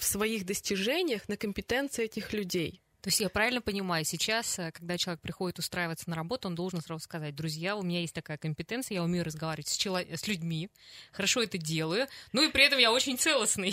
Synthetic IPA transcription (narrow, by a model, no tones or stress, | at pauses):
fsvɐixd̪əsʲtʲɪʐɛnʲɪjəxnəkəmʲpʲɪt̪ɛnt̪sɨɪɛtʲɪxlʲʉdʲej | t̪o̞ɪsʲtʲjapɾavʲɪlʲnəpənʲɪmajʊsʲɪt͡ɕasəkɐɡ̚d̪at͡ɕɪlˠɐekpɾʲɪxo̞dʲɪt̪ʊst̪ɾaɪvət̪sənəɾɐbo̞t̪ʊond̪o̞lˠʐɨnsɾazʊskɐzat̚ʲd̪ɾʊzʲjaʊmʲɪnʲajesʲt̚ʲt̪ɐkajəkəmʲpʲɪt̪ɛnt̪sɨjəjaʊmʲejʊɾəzɡɐvaɾʲɪvətʲsʲt͡ɕɪlˠɐsʲlʲʉdʲmʲixəɾɐʂo̞ɛt̪ədʲe̞lˠəjʊnuipɾʲɪɛt̪əmjao̞t͡ɕɪnʲt̪sɛlˠəsnɨj